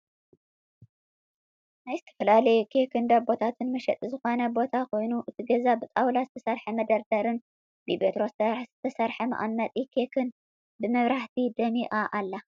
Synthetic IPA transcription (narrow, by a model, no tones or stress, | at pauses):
najzɨt̪ʰɐ̥fɐlalɐjɛkʰekʰɨnd̪abo̞t̪ʰat̪ʰɨnmɐʃɛt̪ʼizɨxo̞nɐbo̞t̪ʰakʰo̞jnuʔɨt̪ʰiɡɐzabɨt̪ʼawlazɨt̪ʰɐsɐɾħɐmɐd̪ɐɾd̪ɐɾɨn | bibet̪ɾo̞st̪ʰɐz̥ɨt̪ʰɐsɐɾħɐmɐ̰ʔʼamːɐt̪ʼikʰekʰɨn | bɨmɐβɾaħt̪ʰid̪ɐmiʔaʔalːa